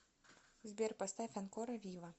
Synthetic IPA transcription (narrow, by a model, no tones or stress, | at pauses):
zʲbʲɛrpɐst̪afʲɛnkɔɾɐvʲivˠɐ